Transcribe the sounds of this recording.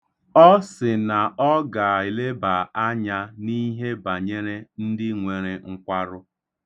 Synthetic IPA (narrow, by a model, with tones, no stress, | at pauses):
ɔ˦sɪ˨na˨ɔ˦ɡa˨i˨le˦ba˨a˦ɲa˦ni˦ɦe˦ba˨ɲe˦ɾe˦n̩˦dɪ˦ŋʷe˨ɾe˨ŋ̩˦kʷa˦ɾʊ˦